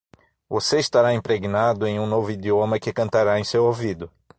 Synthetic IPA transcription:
voseɪst̪aɾaĩpɾeɡinad̪ʊẽj̃ũnovʊid͡ʒ̪iomɐkɪkɐ̃nt̪aɾaẽj̃sewowvid̪ʊ

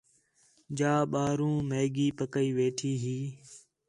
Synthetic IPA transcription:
d͡ʒaːɓaːɾũːmeːɡiːpəkəiːʋeːʈʰiːɦiː

